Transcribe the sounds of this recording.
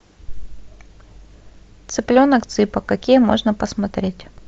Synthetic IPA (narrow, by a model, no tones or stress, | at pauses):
t̪sɨplʲonəkt̪sɨpəkɐkʲijəmo̞̰ʐnəpəsmɐt̪ɾʲetʲ